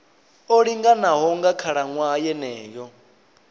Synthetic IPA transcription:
oɺiŋɡanaɦɔŋɡakʰaɺaŋwajɛnɛːjɔ

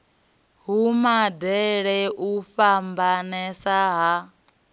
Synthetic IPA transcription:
ɦumadɛɺɛʔuɸambanɛsaɦa

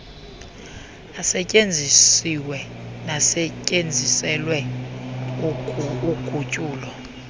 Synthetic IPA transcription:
asɛcʼend͡zʱisiwɛnasɛcʼend͡zʱisɛlwɛ | uɡ̥ʱʼucʼuːlɔ

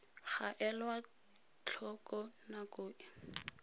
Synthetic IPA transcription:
χaʔɛlwa | t͡ɬʰɔkɔnakʊːɪ

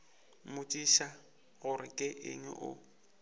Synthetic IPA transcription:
mʊtʼiʃa | ɣʊrɪkʼɪʔɪ̰ŋwɛ̰ʔʊ̰

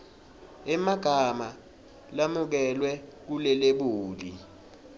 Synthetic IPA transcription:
ɛmaɡ̥ʱama | lamuk̬ɛlwɛk̬ulɛleɓuːli

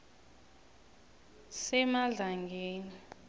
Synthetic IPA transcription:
sɛmaɮaŋɡʱeːni

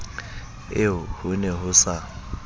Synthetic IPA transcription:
ɪʊhʊnɛɦʊsa

